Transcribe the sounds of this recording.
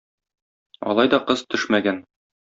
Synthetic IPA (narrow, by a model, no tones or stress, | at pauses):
ɒ̰lˠɑjd̪ɒqɤz̥t̪ɵʃmæɡæn